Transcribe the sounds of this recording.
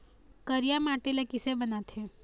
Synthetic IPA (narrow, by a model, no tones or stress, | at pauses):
kəɾijamaːʈelekɪsebənat̪ʰe